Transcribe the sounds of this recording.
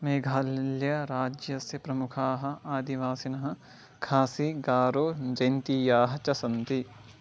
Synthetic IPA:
meːɡʱaːljɐɾaːd͡ʒjɐsjɐpɾɐmukʰaːɦɐ̆aːd̪iʋaːsinɐɦɐ̆ | kʰaːsiɡaːɾoːd͡ʒɐjnt̪iːjaːɦɐt͡ʃɐsɐnt̪i

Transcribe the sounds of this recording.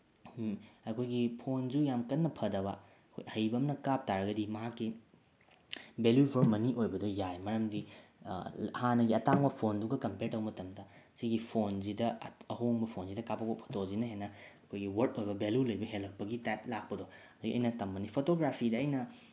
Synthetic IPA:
ɐkʰojɡipʰond͡ʒujamkɐnːɐpʰɐdɐbɐ̰ | ɐkʰo̰jhɐjbɐːmnɐkap̚taɾɐɡɐdimɐɦakːi | beljupʰoɾmɐniʔojbɐdojajmɐɾɐmdi | hanɐɡiɐtaŋbɐpʰonduɡɐkɐmpeɾtɐwmɐtɐmdɐsiɡipʰonzidɐɐɦoŋbɐpʰonzidɐkapːɐkopʰo̥tozinɐɦenːɐɐkʰojɡiwɐɾtojbɐbeljulɐjbɐɦelːɐk̚pɐɡitajp̚lak̚pɐdoɐduɡiɐjnɐtɐmːɐnipʰotoɡɾapʰidɐːjnɐ

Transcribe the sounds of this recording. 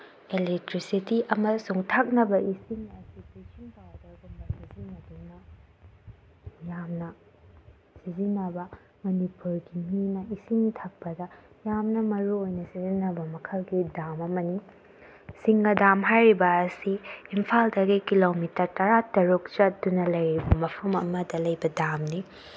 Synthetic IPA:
elek̚tɾisitiʔɐmɐsuŋtʰak̚nɐbɐisiŋɐsitisiŋbawdɐɡɐmɐsɐsiziŋɐdunɐ | jamnɐ | sizinːɐbɐ | mɐnipuɾɡiminɐisiŋtʰak̚pɐdɐ | jamnɐmɐɾuojnɐsizinːɐbɐmɐkʰɐlɡidamɐmɐni | siŋɡɐdamɦajɾibɐːsiːmpʰaldɐɡikilomitɐɾtɐɾatɐɾuk̚t͡ʃɐt̚dunɐlɐjɾibɐmɐpʰɐmɐmɐdɐlɐjbɐdamni

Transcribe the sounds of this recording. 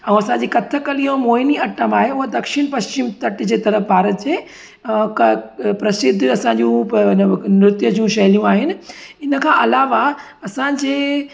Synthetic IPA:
ɛ̃ũɐsãɲd͡ʑiːkɐt̪ʰəkəlijõmoːɪniɐʈəmaːɦeʊɦəd̪ɐkʃɪñpɐst͡ɕɪmt̪ɐʈd͡ʑeːt̪ɐɾəfbʱaːɾət̪d͡ʑeː | kɐpɾɐsɪd̪ʱːɐsãɲd͡ʑũnmɾɪt̪jəd͡ʑjũʃɐɦlijũaːɦɪnɪ̆ɪnə̆kʰãːʔɐlaːʋa | ɐsãd͡ʑeː

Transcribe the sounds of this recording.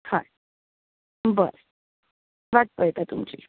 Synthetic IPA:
hã̰ | bə̰ɾ | ʋaʈ̚pəjet̪at̪umt͡ɕḭ

